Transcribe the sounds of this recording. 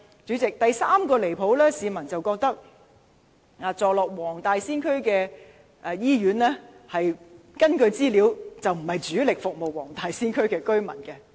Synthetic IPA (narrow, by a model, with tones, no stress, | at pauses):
t͡ʃy˨˥t͡sɪ˨k̚t̪ɐ˨jsaː˥mkɔː˧le˨˩jpʰo˨˥wlɛː˥siː˨˧mɐ˨˩nt͡sɐ˨wkɔː˧k̚t̪ɐ˥k̚ | aː˨˧t͡sɔː˨klɔː˨˩k̚wɔː˨˩ŋt̪aː˨jsiː˥nkʰɵ˥ɥkɛː˧ | ʔjiː˥ɥyː˨˥nlɛː˥hɐ˨jkɐ˥nkɵ˧ɥt͡siː˥liː˨˧˥wt͡sɐ˨wm̩˨˩hɐ˨jt͡ʃyː˨˥lɪ˨k̚fʊ˨k̚mo˨wwɔː˨˩ŋt̪aː˨jsiː˥nkʰɵ˥ɥkɛː˧kɵ˥ɥmɐ̰˨˩nkɛ˧